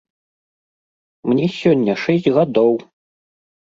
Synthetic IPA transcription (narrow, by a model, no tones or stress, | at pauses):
mnʲɛsʲɔnʲːɐʂɛsʲd͡zʲɣad̪ɔw